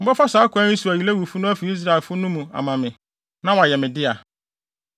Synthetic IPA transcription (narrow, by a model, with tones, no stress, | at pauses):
m̩˦bɛ˦fa˦saː˨˦kʰʷã˦ĩ˦su˨æ˨ji˨læ˦wu˨fʊ˦nʊ̃˦æ˦fi˨i˦s̬ɾa˨ɪ˨lfʊ˦nʊ̃˦mũ˨a̰˨mã˨mɪ̃˨ | nã˦wa˨jɛ˨mɪ̃˨dɪ˦a˨